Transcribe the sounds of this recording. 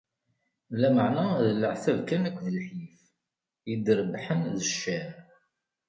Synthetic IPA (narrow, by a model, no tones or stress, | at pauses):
læməʕnæðələʕθævkænækʷːðəlħjif | jəd̪əɾˤəbħənðəʃːæn